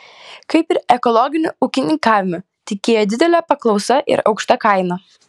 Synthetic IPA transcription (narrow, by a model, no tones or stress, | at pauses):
kɐɪpɪɾɛkɔlˠɔɡʲɪnʲʊuːkʲɪnʲɪŋkaːʋʲɪmʊ | t̪ʲɪkʲeːjoːd̪ʲɪd̪ʲɛlʲɛpɐklˠɒʊsɐʔɪ̰ɾɐ̰ʊkʃt̪ɐkɐɪnɐ